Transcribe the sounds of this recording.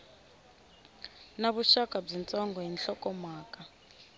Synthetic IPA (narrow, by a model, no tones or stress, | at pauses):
naβuʃakʼab͡ʐint͡sʼɔŋɡɔɦinɬɔkʼɔmaːkʼa